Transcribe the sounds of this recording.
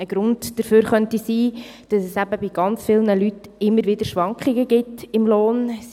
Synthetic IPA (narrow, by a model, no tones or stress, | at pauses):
əɡ̥ɾʊndd̥əɾføːɾχœntisiː | d̥ɑsɛsæbəbɪɡɑnt͡sfɪlnəlytɪmːəɾʋɪd̪əɾʃʋɑŋkχɪɡəɡɪtɪmloːn